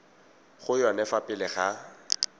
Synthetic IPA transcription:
χʊjanɛfapʼɪlɪχa

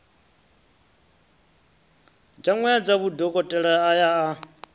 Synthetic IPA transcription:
d͡ʒaŋwɛad͡zaβudɔkʼɔtʼɛɺaajaa

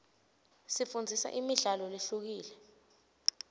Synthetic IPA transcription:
sifund͡zʱisa̰ʔimiɮalɔleɬuk̬iːlɛ

